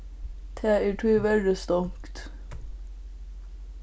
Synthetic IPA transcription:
t̪ʰæːeːʈʰʉːʋɛd̪ɪst̪ɔŋkt̪

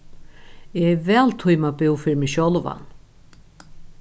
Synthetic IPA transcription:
ɛɛvɛːlt̪ʰujmapɪwfɪɾmɪɕɔwlva̰n

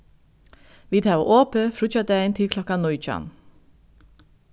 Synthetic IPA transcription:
ʋiːt̪ʰɑːʋo̰ːʔoːpəfɾʉt͡ʃɑt̪əæɪnt̪ʰɪlkʰlɔkɑnɔʏt͡ʃɑ̰n

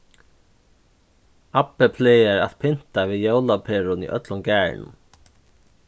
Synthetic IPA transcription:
apɪpʰleːjɛɾa̰ðpʰɪn̥t̪aviːðjoːwlapʰeːɾʊnḭʔœ̰t̪lʊmkæːɹ̰nʊ̰m

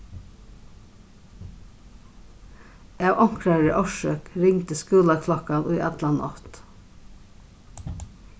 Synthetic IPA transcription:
ɑːʋʔɑŋkʰɾɑɹə̰ʔɑʃøːkɾɪŋt̪əskʉːlɑkʰlɑkɑnʉːʔɛt̪lɑnʔɔ̰t̪

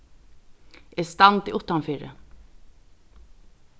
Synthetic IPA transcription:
ɛst̪ɑnt̪iːʔʊt̪ːɑnfiːɾə̰

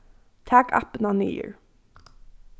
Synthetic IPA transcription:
t̪ʰæːka̰pənɑnḭːə̰ɹ

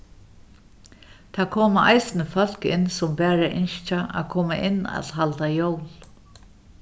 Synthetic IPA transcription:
t̪ʰaːkʰoːmaʔa̰jsɪnəfœl̥kɪ̰nːsʊmbɛːɾaʔɪnʃt͡ʃaʔa̰kʰɔːmaʔɪnːa̰t̪lɦalt̪ajowl

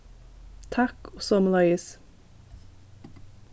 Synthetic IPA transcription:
t̪ʰɑkɔsɔmlɑɪs

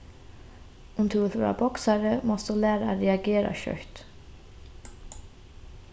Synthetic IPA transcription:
ʊmt̪ʰuθɾa̰bɔksaɾəmɔst̪ulɛːɾaaɾɛaɡɛːɾa̰ɕœ̰ɹt̪

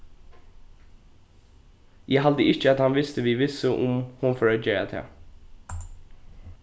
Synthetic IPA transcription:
jæɦald̪əɪt͡ʃəat̪hɑnʋɪst̪əʋiːʋɪsəʔʊmhʊnfɔɹaːd͡ʒeːɹa̰t̪ʰɛ̰ː

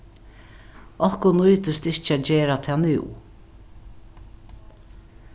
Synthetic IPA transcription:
ɔhkʊnujt̪ɪst̪ɪht͡ʃæd͡ʒeːɾat̪ʰɛːnɪ̰w

